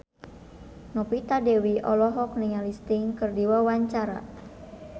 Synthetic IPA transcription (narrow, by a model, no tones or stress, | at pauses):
nɔpit̪adewiʔɔlɔɦɔk̚niŋalist̪iŋkərdiwawaɲt͡ʃaɾa̰